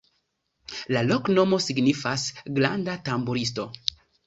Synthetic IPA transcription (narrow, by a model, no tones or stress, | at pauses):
lalokno̞mo̞siɡnifasɡla̰ndatambuɾis̬to̞